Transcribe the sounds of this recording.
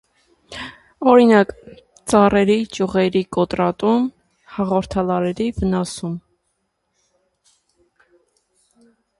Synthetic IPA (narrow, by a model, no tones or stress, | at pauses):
ɔɾinɑk | t͡sɑrɛɾit͡ʃuʁɛɾikɔt̪ɾɑt̪um | hɑʁɔɾt̪ʰɑlɑɾɛɾivənɑsum